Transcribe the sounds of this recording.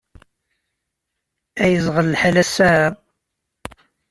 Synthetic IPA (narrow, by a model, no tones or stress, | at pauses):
æjəzˤʁəlːħalæsæ